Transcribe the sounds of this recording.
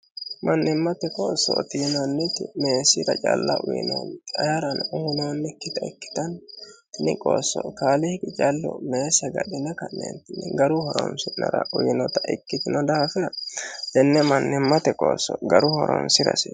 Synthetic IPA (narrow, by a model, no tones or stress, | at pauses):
mɐnːɪmːɐt̪ɛkʼoːsːɔt̪iːnɐnːɪt̪ɪme̞ːsɪɾɐt͡ʃʼɐ̰lːɐ̰ʔʊjɪ̰no̰nɐjɐɾɐnuːnonːɛkːɪt̪ɐɪkːɪ̥t̪ɐnt̪ɪnɪkʼo̰ːsːɔkaːlɪhkʼɪt͡ʃʼɐlːɔ̰me̞ːsɐɡɐ̰ɗɪnɛkɐnːḛnt̪ɪnɛɡɐɾʊhɔɾɔ̰msɪnːɐɾɐʔʊjɪnɔt̪ɐʔɪkːɪt̪ɪnɔd̪ɐhɐfɪɾɐd̪ɛnːɛmɐnːɪmːɐt̪ɛkʼo̰ːsɔɡɐɾʊhɔɾɔ̰msɪɾɐ̰sɪ